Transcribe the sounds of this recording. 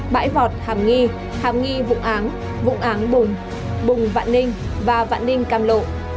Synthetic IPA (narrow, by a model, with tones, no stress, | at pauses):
ɓa̰ː˧˥jvɔ˨˩t̚haː˨˩mŋi˧ | haː˨˩m̚ŋi˧vʊ̰˧˥ŋ͡mʔaː˨˦n | vʊ̰˧˥ŋ͡mʔaː˨˦nɓʊ˨˩ŋ͡m | ɓʊ˨˩ŋ͡mva̰ː˧˨nnï˧ŋ̟vaː˨˩va̰ː˧˨nnï˧ŋ̟kaː˧mlo̰˧˨ʔ